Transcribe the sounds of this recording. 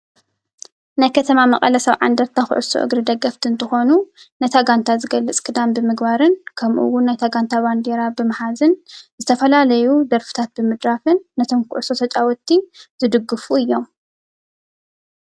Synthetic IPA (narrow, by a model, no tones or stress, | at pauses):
najkʰɐt̪ʰɐmamɐ̰qʼɐlɐsɐβʕa̰nd̪ɐɾt̪ʰaxɨ̰ʕʊ̰so̰ʔɨ̰ɡɾɨd̪ɐɡɐft̪ʰiɨnt̪ʰɨxo̞nu | nɐt̪ʰaɡant̪ʰazɨɡɐlːɨt͡sʼkʰɨd̪ambɨmɨɡbaɾɨnkʰɐmʔṵwːʊnːajt̪ʰaɡant̪ʰaband̪eɾabɨmɨħazɨnzɨt̪ʰɐfɐlalɐjud̪ɐɾfɨ̥t̪ʰat̪̚bɨmɨd̪ɾafɨnːɐt̪ʰomkʊ̰ʕʊsot̪ʰɐt͡ʃʼawɔt̪ːinz̥ɨd̪ɨɡːɨfuɨjːom